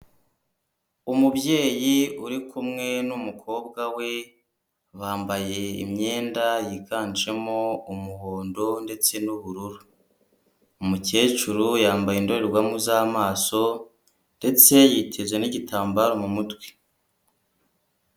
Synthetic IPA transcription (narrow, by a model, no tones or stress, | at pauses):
umubje̞ːjiuɾikʰumŋe̞numukʰo̞ːbɡawe̞ | βaːmbaje̞ḭmɲe̞ːndajikaːnd͡ʒe̞mo̞umuhoːndo̞nde̞t͡se̞nuβuɾuɾu | muce̞ːt͡ʃuɾujaːmbajendo̞ɾeɾɡwamuzaːmaːso̞ | nde̞t͡se̞jitʰe̞zwe̞niɟitʰaːmbaɾomumutwe̥